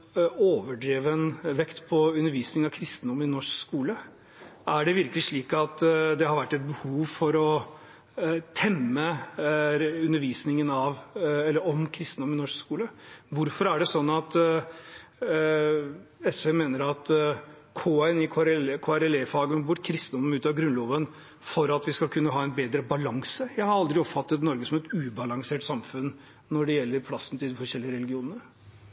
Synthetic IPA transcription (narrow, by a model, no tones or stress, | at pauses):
oːʋəɖɾeːʋənʋɛkt̪pʰɔʉnːəɾʋiːsnɪŋɑʋkʰɾɪst̪ənd̪ʊmɪnɔʂkskuːlə | ʔæɖɛʋɪɾkəlɪʂɭiːkɑt̪d̪ɛhɑɾʋæʈːɛt̪̚bəhuːʋfɔɾɔ | t̪ʰɛmːə | ʉnːəɾʋiːsnɪŋənɑʋɛlːəɾɔmkʰɾɪst̪nd̪ʊmɪnɔʂkskuːləʋʊɾfɔɾæɖɛsɔnːɑt̪ | ɛsʋemeːnəɾɑt̪ | kʰoːɛnɪkʰoːɾkʰoːæɾɛlefɑːɡəmɛbʊʈːkʰɾɪst̪nd̪ɔmmʉːt̪ɑɡɾʉnlɔːʋən | fɔɾɑt̪ʋɪskɑlkʰʉnːəɦɑːɛɪnbeːd̪ɾəbɑlɑŋsəjæɪhɑɾɑld̪ɾɪɔpfɑt̪ːət̪nɔɾɡəsɔmɛt̪ʉːbɑlɑŋseːʈsɑmfʉnː | nɔɖɛjɛlːəɾpʰlɑsːənt̪ʰɪld̪ɪfɔɾʂɛlːɪəɾɛlɪɡɪuːnənə